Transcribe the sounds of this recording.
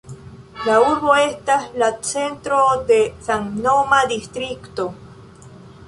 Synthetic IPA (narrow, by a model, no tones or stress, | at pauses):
lauɾβoest̪alat͡sent̪ɾod̪esaŋnomad̪ist̪ɾikt̪o